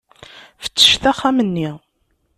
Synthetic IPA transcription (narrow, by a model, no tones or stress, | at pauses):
fə̥t͡sːə̥ʃθæχːæmənːi